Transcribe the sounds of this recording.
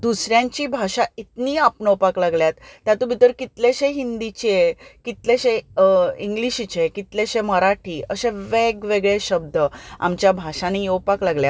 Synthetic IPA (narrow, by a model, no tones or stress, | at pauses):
d̪usɾjãɲt͡ɕiːbʱaɕait̪niapɳəwpaklaɡljat̪ːjat̪ubʱit̪əɾkit̪leɕẽɦind̪it͡ɕekit̪leɕeĩŋɡliɕit͡ɕekit̪leɕeməɾaʈʰiːəɕẽʋeɡʋeɡɭeɕəb̚d̪əa̰mt͡ɕjabʱaɕanijewpaklaɡljat̪